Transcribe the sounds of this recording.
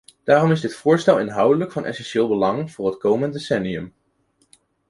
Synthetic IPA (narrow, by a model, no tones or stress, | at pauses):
d̥aːrɔmɪzdɪtfʊːɹstɛlˠɪnɦʌwdələkfɑnʔɛ̰sɛnʃɪːlˠbəlɑŋv̥ʊːɹrɦətkowməndesɛniɵm